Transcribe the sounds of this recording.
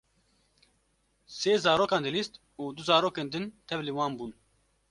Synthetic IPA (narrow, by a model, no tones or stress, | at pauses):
seːzaːɾoːkaːnd̪ɨlist̪ | uːd̪uzaːɾoːkeːnd̪ɨnt̪ʰɛvliwaːnbuːn